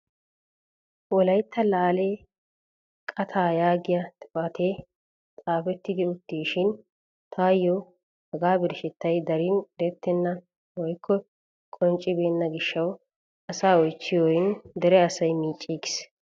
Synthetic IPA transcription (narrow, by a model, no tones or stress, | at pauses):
wɔlɐjt̪ːɐlaːleː | kʼɐt̪ʰaːjaːɡɪjɐt̪ʼɪ̥fɐt̪ʰeː | t͡s̪ʼaːfɛt̪ːɪd̪ɪʊt̪ːiːʃɪn | t̪ʰaːjːɔ | hɐɡaːbɪɾʃɛt̪ːɐjd̪ɐɾiːnkʼɪɾɛt̪ːɛnːɐ | wɔjkʰːɔ | kʼɔnt͡ʃʼːɪbe̞ːnːɐɡɪʃːɐw | ɐsaːɔjt͡ʃːɪjoːjɪnd̪ɛɾɛɐsɐjmiːt͡ʃʼːiːɡɪs